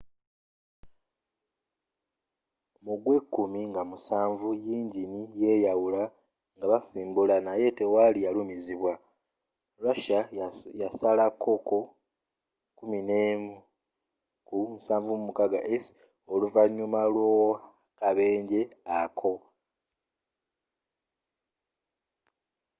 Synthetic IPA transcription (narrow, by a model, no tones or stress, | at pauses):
muɡwe̞kːumiŋɡamusaːɱvujiːɲɟinije̞ːjawula | ŋɡaβasiːmbulanaje̞te̞walijalumiziβwa | lwaʃajasalakʰːo̞ko | kuminem | kumusaːɱvumumukaɡaʔes | oluvaɲːumalwo | kaβe̞ːɲɟe̞akʰo̞